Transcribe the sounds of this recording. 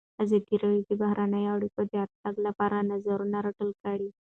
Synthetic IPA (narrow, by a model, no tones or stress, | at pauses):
ad͡zet̪iɾəʋit̪ibaɦɾanajawɽikod̪jat̪̚taɡlapaɾanəd͡zəɾunaɾəʈəlkaɽi